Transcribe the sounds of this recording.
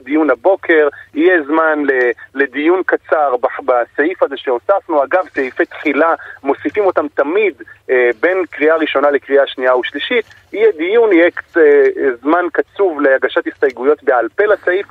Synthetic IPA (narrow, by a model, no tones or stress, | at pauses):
d̪ijunabo̞kʰe̞ʁijezmanlele̞dijunkat͡saʁbabasaifazeʃeosafnuaɡavsejifejt̪χilamo̞sifimo̞tamt̪amid̪be̞nkʁiaʁiʃo̞nalekʁiaʃniauʃliʃit̪ | ijɛd̪ijunijek | zmankat͡suvleaɡaʃat̪hist̪ajɡujo̞tbealpe̞lasaif